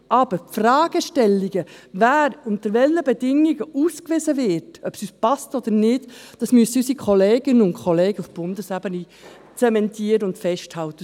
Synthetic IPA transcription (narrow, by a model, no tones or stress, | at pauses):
ɑb̥əɾfrɑːɡ̥əʃtɛlːiɡ̥əvæːɾʊnt̪əɾvɛlːəbɛdɪŋiɡəʔuːskʋɪzəvɪːtœpsyspɑstɔd̪əɾnɪdd̥ɑsmysəysikʰχɔleːɡɪnəʊnkʰɔleːɡ̥əufb̥ʊndəsæbəni | t͡sɛmɛntʰiːəɾəʊndfɛʃthɑltə